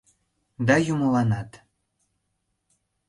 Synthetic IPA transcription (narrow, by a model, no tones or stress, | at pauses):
d̪ɑjuməlɑnɑt̪